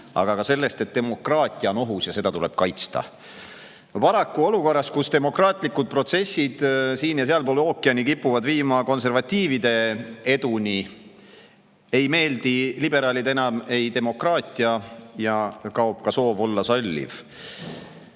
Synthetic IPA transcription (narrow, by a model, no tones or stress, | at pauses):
ɑ̰ɡ̥ɑkɑse̞lːe̞st̪e̞t̪̚ːe̞mo̞krɑːt̪ʲˑiɑono̞ɦusjɑse̞d̪ɑt̪ule̞̰b̥̚kɑjt̪st̪ɑ̰ | npɑɾɑkːuo̞luko̞rːɑst̪kust̪e̞mo̞krɑːt̪ˑlikːud̪̥̚pro̞t̪se̞sːid̪̥siːnjɑs̬eɑlpo̞loːkːˑiɑnikipːuvɑd̪viːmɑko̞ns̬e̞rvɑt̪ʲːiːvid̪̥e̞e̞d̪̥unʲi | e̞jme̞ːld̪̥ilibe̞ɾɑːlʲid̪enɑme̞jt̪e̞mo̞krɑːt̪ʲːˑiɑjɑkɑo̞b̥kɑso̞ːvo̞lːɑsɑlʲːḭv